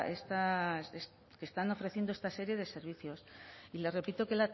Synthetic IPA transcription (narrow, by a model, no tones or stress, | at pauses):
est̪ases | ke̞st̪ano̞fɾe̞θje̞nd̪oe̞st̪ase̞ɾje̞ðe̞se̞ɾβ̞iθjo̞sile̞re̞pit̪o̞ke̞la